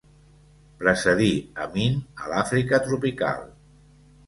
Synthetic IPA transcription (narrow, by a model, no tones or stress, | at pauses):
pɾəsəðiəminəlafɾikət̪ɾupika̰lˠ